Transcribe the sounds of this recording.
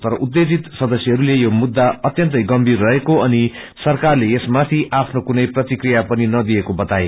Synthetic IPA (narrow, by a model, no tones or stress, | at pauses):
t̪ʌɾʌʔud̪ːed͡zit̪sʌd̪ʌsjʌɦʌɾulejomud̪ːaʌt̪jʌnt̪ʌjɡʌmbirːʌɦekoʌni | sʌrkarleesmat̪ʰiʔapʰnokunʌjprʌt̪ikrijapʌninʌd̪iekobʌt̪ae